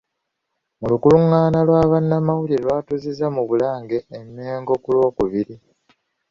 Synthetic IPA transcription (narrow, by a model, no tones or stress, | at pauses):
mulukuluŋːaːnalwaːβanːamawulilwaːtuzizamuβulaːŋɡe̞ːmːeːŋɡo̞kulwo̞ːkuβiɾi